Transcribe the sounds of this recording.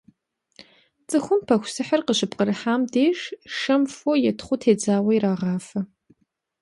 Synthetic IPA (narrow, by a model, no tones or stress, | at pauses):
t͡sʼɨxʷʊmpʰɐxʷsɨħɐrqəɕɨp̚ʼqəɾɨħaːmdeːʃʃɐmfojɛtʰχʷʊtʰeːd͡zaːwɐjraːʁɑːfɐ